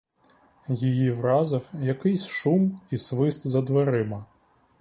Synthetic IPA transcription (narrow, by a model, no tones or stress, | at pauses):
jijivɾazɐwjakɪjsʂumisʋɪst̪zɐd̪ʋaɾɪmɐ